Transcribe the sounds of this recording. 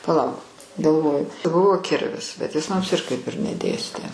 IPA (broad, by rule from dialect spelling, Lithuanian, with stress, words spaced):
pɐˈlˠɐʊk ɡɐlˠˈʋoːjʊ ˈbʊʋoː ˈkʲɪrʲʋʲɪs bʲɛt ˈjɪs ˈmʊms ɪr kɐɪp ɪr nʲɛˈdʲeːsʲtʲeː